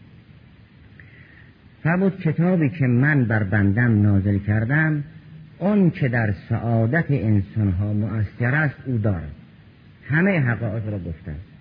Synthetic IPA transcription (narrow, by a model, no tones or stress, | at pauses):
fæɾmuːd̪̥̚kʲʰe̞t̪ʰɒːbiːkʰemænbæɾbænd̪æmnɒːzelkʰæɾd̪æm | ɒnt͡ʃʰed̪æɾsæ̰ʔɒːd̪æt̪ʰeʔensɒnɦɒːmoʔæsːæɾæst̪uːd̪ɒːɾæ̰d̪̥ | hæmejɦæɣɒːʔeɣɾɒːɡoft̪æ̰